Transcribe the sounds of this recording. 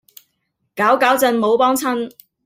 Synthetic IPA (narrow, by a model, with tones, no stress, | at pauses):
kaː˨˥wkaː˨˥wt͡sɐ˧nmo˨˧wpɔː˥ŋt͡sʰɐ˥n